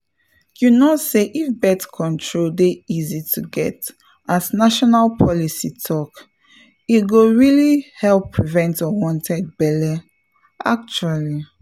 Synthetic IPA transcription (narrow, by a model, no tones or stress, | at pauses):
junoseʔifbɛtkʰɔ̃ntʰɹoldeizitʰuɡɛt | aznaʃɔnalpʰɔlisitʰɔk | iɡoɹilihɛlˠpʰːɹivɛ̃ntɔwɔ̃ntʰɛd̚bɛlɛ | ʔa̰k̚t͡ʃuali